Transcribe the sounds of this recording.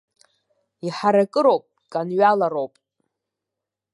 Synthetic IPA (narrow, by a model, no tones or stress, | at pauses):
iħaɾakʼɨɾowpʼ | kʼanɥalaɾowpʼ